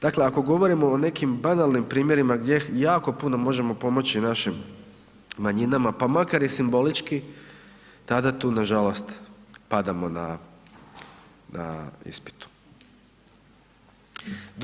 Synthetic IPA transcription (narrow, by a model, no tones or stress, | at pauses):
d̪̥akle̞ako̞ɡo̞ʋo̞ɾimo̞ːne̞kimbanalnimpɾiːmje̞ɾimaɡdʲje̞jaːko̞punomo̞ʒe̞mo̞po̞mo̞t͡ɕinaʃimː | aɲinamapamakaɾjesimbo̞lit͡ʃki | t̪ad̪at̪uːnaʒalˠo̞st̪pad̪amo̞na | nʔa̰ḭspi̥t̪u̥ | d̪